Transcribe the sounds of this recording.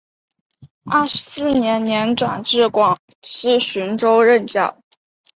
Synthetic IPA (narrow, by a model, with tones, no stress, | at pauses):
a˥˩ʂɻ̩˧˥sɹ̩˥˩njɛ˧˥nnjɛ˧˥nʈ͡ʂwa̰˨˩nʈ͡ʂɻ̩˥˩kwɑ˨˩ŋ | ʂɻ̩˥˩ɕy˧˥nʈ͡ʂo˥ʊɻə˥˧nt͡ɕjɑ̰˥˩ʊ